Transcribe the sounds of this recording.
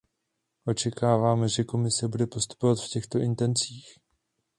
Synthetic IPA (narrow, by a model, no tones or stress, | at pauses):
ʔo̞t͡ʃɛkaːvaːmɛʒɛko̞mɪsɛbudɛpo̞st̪u̥po̞vat̪fcɛxt̪o̞ʔɪnt̪ɛnt͡siːx